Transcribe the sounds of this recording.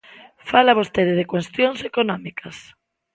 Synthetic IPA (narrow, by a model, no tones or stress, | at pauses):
falaβost̪eðeðekwest̪joŋsekonɔmikas